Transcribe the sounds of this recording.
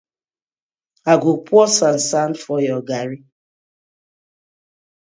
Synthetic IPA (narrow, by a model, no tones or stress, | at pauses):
aɡupwɔsan̩san̩fɔjɔɡaɾi